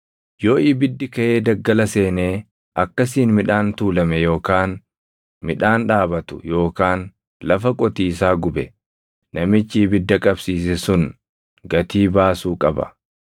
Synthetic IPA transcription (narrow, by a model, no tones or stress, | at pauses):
jo̞ːʔɪbɪd̪ːɪkɐʔe̞ːd̪ɐɡːɐlɐse̞ːneː | ʔɐkːɐs̬iːnmɪᶑaːnt̪uːlɐmɛjo̞ːkaːn | mɪᶑaːnᶑaːbɐt̪ʊ̥jo̞ːkaːn | lɐfɐkʼɔt̪iːs̬aːɡʊbɛ | nɐmɪt͡ʃːɪbɪd̪ːɐkʼɐbsiːs̬ɛsʊn | ɡɐt̪iːbaːsuːkʼɐbɐ̰